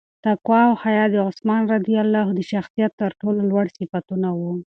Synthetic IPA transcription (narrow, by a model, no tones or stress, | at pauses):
t̪akwɑwhajɑd̪əʊsmɑnɾad̪ijalːɑɦod̪əʃaxsijat̪ːəɾʈololwaɽsifat̪unawu